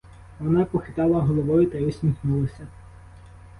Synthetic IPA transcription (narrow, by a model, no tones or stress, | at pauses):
ʋɔnɑpɔxɪt̪ɑlˠɐɦɔlˠɔʋɔjʊt̪ɐjɔsʲmʲixnulˠɐsʲɐ